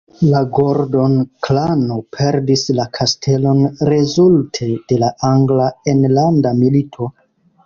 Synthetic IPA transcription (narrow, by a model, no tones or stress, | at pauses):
laɡoɾdo̞nklanopʰe̞ɾdislakʰastʰe̞lo̞nɾe̞zultʰe̞d̥e̞laʔaŋɡlaenlandamilitʰo̞